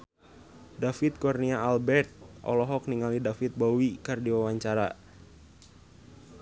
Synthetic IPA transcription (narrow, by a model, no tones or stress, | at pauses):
dafit̪̚kɔrniaalbɛrt̪̚ʔɔ̰lɔɦɔk̚niŋalidafit̪̚bɔwikardiwawaɲt͡ʃaɾa